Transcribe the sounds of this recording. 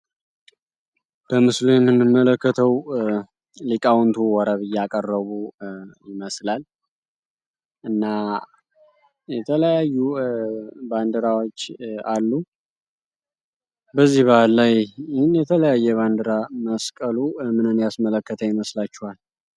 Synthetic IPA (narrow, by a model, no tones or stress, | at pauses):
b̥əmɨslujɛmːɨnːɨmːələkːət̪ʰəw | likʼawnt̪ʰuwɔɾəβɨjːakʼərːəβujɪməslal | ʔɨnːa | jɛt̪ʰələjajːu | band̪əɾawo̞t͡ʃːalːu | bəzːihβahlːajhɪnjɛt̪ʰələjajːɛβand̪əɾaməskʼəlumɨnɨnd̪jasmələkːət̪ʰəjɪməslat͡ʃːɛhal